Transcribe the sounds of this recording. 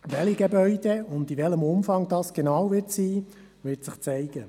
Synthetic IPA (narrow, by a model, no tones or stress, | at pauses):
ʋɛliɡebœʏd̥ɛʊndiʋɛləmʊmfɑŋd̥ɑːsɡ̥enɑwvɪtsiː | ʋɪtsɪχt͡sɛɪɡ̥ə